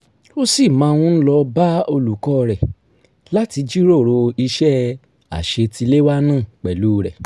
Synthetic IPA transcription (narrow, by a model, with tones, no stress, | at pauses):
o˦si˦˨mãː˨˧w̃ũ˦n̩˦lɔ˧ba˦o˧lu˨kɔ˦˧ɾɛ˨ | la˨˦ti˧d͡ʒi˦ɾo˦˨ɾo˧i˧ʃɛ˦ | a̰˨ʃe˧tʰi˧le˦wa˦nãː˦˨k͡pɛ˨lu˨˦˧ɾɛ˨